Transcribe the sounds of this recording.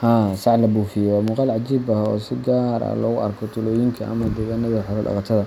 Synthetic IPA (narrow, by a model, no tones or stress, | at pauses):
haːsɑʕlɐbuːfɪjɛwɑːmʊqɑːlʕɑd͡ʒiːbɐhɔ̰ːsɪɡaːɾɐ̰lɔ̰ːɣʊʔɐ̰rkʰɔt̪ʰʊlɔːjɪŋkʰɐʔɐ̰mɐd̪ɛːɣaːnɐðɐħʊɾɔɖɑ̰qɑt̪ʰɐðɐ